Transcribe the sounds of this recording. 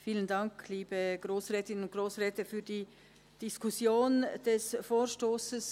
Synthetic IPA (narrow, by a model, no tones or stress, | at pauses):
fiːləndɑŋkliːbəɡ̥ʁoːsʁɛːtɪnənʊnt̚ɡ̥ʁoːsʁɛːtəfyːɐd̥iː | d̥iskʊsjoːnd̥ɛsfoːʃtoːsəs